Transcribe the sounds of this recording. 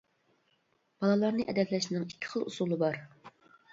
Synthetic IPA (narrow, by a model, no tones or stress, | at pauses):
b̥ɑlˠɑlˠɑɾnɨʔɛ̰d̪ɛplɛʃɪnɪŋikʲʰːi̥χəlˠṵsulˠɨbɑɾ